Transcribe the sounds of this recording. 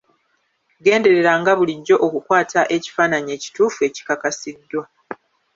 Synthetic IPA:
ɡe̞ːnde̞ɾe̞ɾaŋɡaβuliɟːo̞ʔokukwaːtaʔe̞ci̥faːnaɲie̞ːci̥tuːfue̞ːci̥kakasidːwa

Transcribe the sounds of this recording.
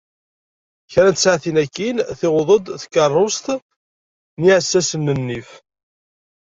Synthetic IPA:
çɾænt̪əsʕθinækːinθɪʁðˤəd̪θə̥kːɑrˤːost̪ | niʕəsːæsənːənːif

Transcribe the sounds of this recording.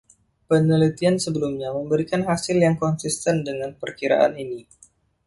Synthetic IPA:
pənəlit̪iansəbəlumɲaməmbəɾikanɦasɪljaŋkɔnsist̪ɛndəŋanpərkiɾa̰ʔa̰nini

